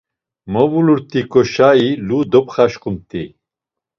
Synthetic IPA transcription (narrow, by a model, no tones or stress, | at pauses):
mɔvuluɾt̪ʼikʼɔʃailud̪ɔpχaʃqumt̪ʰʼi